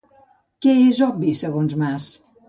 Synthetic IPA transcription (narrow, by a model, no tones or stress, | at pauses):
kɛezɔbisəɣonzmas